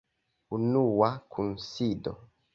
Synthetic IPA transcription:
unuwakʰunsido̰

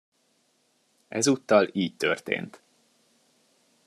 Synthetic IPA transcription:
ɛzuːt̪ːɒliːc̚t̪ørt̪ḛːnt̪

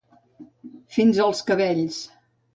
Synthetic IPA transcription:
finzəlˠskəβɛʎs

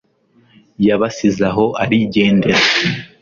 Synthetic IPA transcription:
jaβasizaɦo̞ʔaɾiɟe̞ːnde̞ɾa

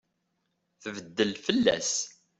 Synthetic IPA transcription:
θəvəd̪ːəlfəlːæ̰s

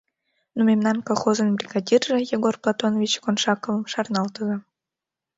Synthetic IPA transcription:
numʲemnɑnkolˠχozə̆nbrʲiɡadʲirːĕjeɡorplˠat̪onovʲit͡ɕkonʃɑkovəmʃɑrnɑlˠt̪əzɑ

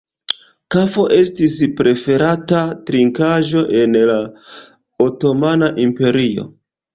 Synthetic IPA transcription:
kafo̞ʔe̞stispɾe̞fe̞ɾatatɾiŋkaʒo̞ʔe̞nla | oto̞manaʔimpe̞ɾio̞̰

